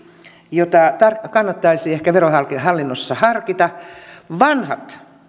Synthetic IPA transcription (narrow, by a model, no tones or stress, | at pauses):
jot̪ɑt̪ɑrkɑnːɑt̪ːɑisiːehkæʋerohɑlkihɑlːinːosːɑhɑrkit̪ɑʋɑnhɑt̪